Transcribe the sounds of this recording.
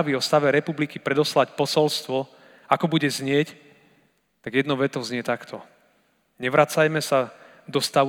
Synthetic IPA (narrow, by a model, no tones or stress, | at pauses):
ʋiɔst̪aʋɛɾɛpublikipɾɛd̪ɔslacpɔsɔlst̪ʋɔ | akɔbuɟɛzɲɪɛc | t̪aɡjɛd̪nɔʋɛt̪ɔʊzɲɪɛt̪akt̪ʰɔ | ɲɛʋɾat͡sajmɛsa | d̪ɔst̪aʋ